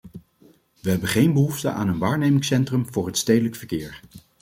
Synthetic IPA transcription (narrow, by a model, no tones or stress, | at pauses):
ʋəɦɛbənχejnbəɦuftə̰ʔa̰ːnənʋaːɹnejmɪŋsɛntrəmvʊːɹɦətstejdələkfəɹkɪːɹ